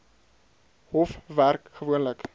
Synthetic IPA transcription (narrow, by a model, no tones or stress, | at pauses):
hɔfværkχəvuənlək